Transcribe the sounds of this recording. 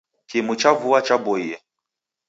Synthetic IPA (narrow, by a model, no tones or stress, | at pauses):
kimut͡ʃavuat͡ʃabɔiɛ